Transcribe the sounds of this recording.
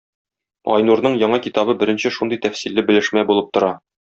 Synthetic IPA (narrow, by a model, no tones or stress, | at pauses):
ɒ̰jnuɾnɤɴjɒɴɑkit̪ɑbɤbɘ̆ɾɘ̆nɕɘʃund̪ɤjt̪æfsilːɘbɘ̆lɘ̆ʃmæbulˠɤp̚t̪ŏɾɑ